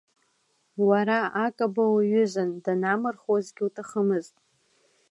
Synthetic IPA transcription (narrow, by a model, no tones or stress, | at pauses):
waɾaakʼabawaɥʏzʷandanamɨrχazɡʲɪutʰaχəmɨztʼ